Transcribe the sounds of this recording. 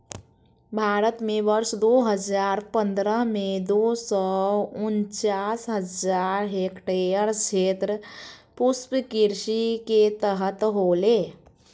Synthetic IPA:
bʱaːɾət̪mẽʋəɾʃd̪oɦəd͡ʒaːɾpə̃nd̪ɾəɦmẽd̪oːsɔʊnt͡ʃaːsɦəd͡ʒaːɾekʈejəɾt͡ʃʰeːt̪ɾəpʊspkiɾʃiket̪əɦət̪ɦoːleː

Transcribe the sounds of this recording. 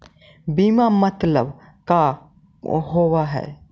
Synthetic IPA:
bimamɐt̪ləb | ka | ɦoʋaɦɛ̰

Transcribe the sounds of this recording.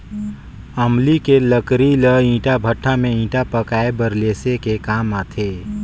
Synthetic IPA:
əmlikeləkɾiləĩːʈabʱəʈʰːamẽĩːʈapəkaːebəɾleːsekekaːmaːt̪ʰe

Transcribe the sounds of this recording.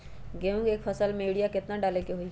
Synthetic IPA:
ɡeʊ̃ŋɡeːkpʰəsəlmẽɽijakɪt̪naɖaːlekeɦoi

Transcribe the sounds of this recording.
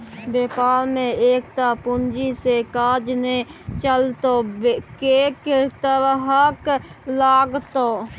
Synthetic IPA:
beːpaːlmẽeːkt̪apʊnd͡ʒisekaːd͡ʒnet͡ʃəlt̪oːkeːkt̪əɾɦəklaːɡt̪oː

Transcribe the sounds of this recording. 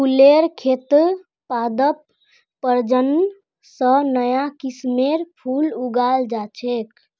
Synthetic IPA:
pʰuleɾkʰet̪ | pad̪əpː | əɾd͡ʒən | sənəjakismeɾpʰuluɡald͡ʒat͡ʃʰek

